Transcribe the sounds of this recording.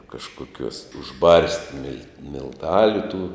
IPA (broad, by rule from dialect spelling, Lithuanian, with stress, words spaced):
kɐʃkoːˈkʲuɔs ʊʒˈbɐrʲsʲtʲɪ mʲɪlʲ mʲɪlˠˈtɑːlʲʊ tuː